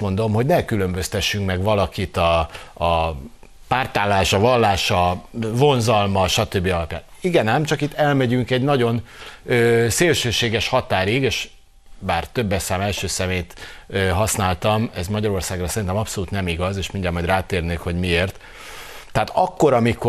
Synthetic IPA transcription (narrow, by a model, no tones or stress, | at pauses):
mo̞nd̪o̞mɦo̞ɟnɛkylø̞mbø̞st̪ɛʃːyŋkmɛɡvɒlɒkit̪ɒː | paːrt̪aːlːaːʃɒvɒlːaːʃɒvo̞nzɒlmɒʃɒt̪øbːiɒlɒpja̰ːniɡɛnɛmt͡ʃɒkit̪ːɛlmɛɟyŋkɛɟnɒɟo̞nøːseːlʃøːʃeːɡɛʃhɒt̪aːɾiɡeːʃ | baːrt̪øbːɛsaːmɛlʃøːsɛmeːjt̪øɦɒsnaːlt̪ɒmɛzmɒɟɒɾo̞rsaːɡrɒsɛɾint̪ɛmɒpso̞luːt̪nɛmiɡɒzeːʃmiɲɟaːmːɒjd̪raːt̪eːrneːkho̞ɟmieːrt̪ː | ɛat̪ɒkːo̞ɾɒmiko